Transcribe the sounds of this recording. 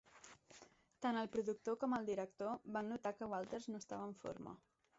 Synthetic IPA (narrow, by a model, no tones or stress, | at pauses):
t̪anəlˠpɾuðuk̚t̪okɔməlˠd̪iɾək̚t̪oβanːut̪akəwalˠt̪əɾznoəst̪a̰βəɱfo̰ɾmə̰